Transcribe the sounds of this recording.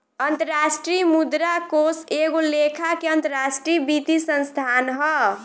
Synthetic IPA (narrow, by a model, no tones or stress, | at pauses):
ənt̪əɾasʈɾijmud̪ɾakoseɡolekʰakeənt̪əɾasʈɾibit̪isənst̪ʰanɦʌ